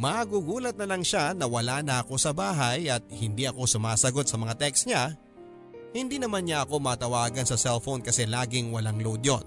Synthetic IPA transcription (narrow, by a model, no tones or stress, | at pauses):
mɐɡuɡuːlɐt̪̚nɐlɐŋʃanɐwɐlaːnɐʔɐko̞sɐbaːɦɐjɐt̪̚hɪnd̪iʔɐko̞sʊmaːsɐɡo̞t̪̚sɐmɐŋat̪ɛksɲa | hɪnd̪iːnɐmanɲaɐko̞mɐːt̪ɐwaːɡɐnsɐsɛlfonkɐsɛlaːɡɪŋwɐlaŋlowd̪jon